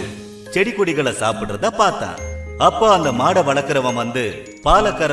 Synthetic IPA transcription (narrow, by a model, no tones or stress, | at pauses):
t͡ʃɛɽɪkːʊɽɪɣɐɭɐsa̰ːpɪɽɾɐðãːpaːɾt̪ã̰ːɐpːoːɐnd̪ɐmaːɽɐʋɐɭɐkːɯɾɐʋãːmʋɐnd̪ɯ | paːlɐkːɐɾɐ